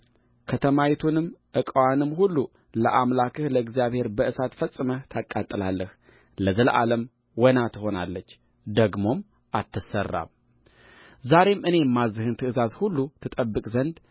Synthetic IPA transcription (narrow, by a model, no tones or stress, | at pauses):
kʰət̪ʰəmawit̪ʰunɨmːʔɨkʼəwanɨmhulːu | ləʔamlakʰɨhləɨɡzijaβhe̞ɾbəɨsat̪fəsʼɨmət̪ʰakʼːat̪ʼːɨlalːəh | ləzəlʔa̰ləm | wɔnat̪ʰɨho̞nalːət͡ʃː | d̪əɡmo̞m | ʔat̪ʰːɨsərːa̰m | zaɾe̞mʔɨne̞mːazːɨhɨnt̪ʰɨʔɨzazhulːut̪ʰɨt̪ʼəbːɨkʼzənd̪